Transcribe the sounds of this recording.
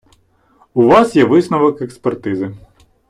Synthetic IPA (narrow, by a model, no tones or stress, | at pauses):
uʋɑsjɛʋɪsnɔʋɔkekspert̪ɪzɪ